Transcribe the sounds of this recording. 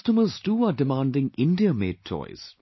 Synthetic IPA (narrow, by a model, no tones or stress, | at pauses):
stəməztuːaːɖɪmãːndɪ̃ŋɪ̃ndiəmḛːd̚tʰːɔ̰ɪz̥